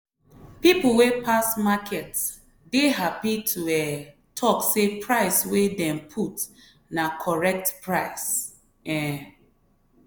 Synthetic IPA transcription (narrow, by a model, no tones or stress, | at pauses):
pipl̩wepʰasmakʰɛts | deɦapitʰuɛ | tʰɔksepʰɹaɪswedɛ̃mpʰut | nakʰɔɹɛk̚tpɹaɪs | ɛ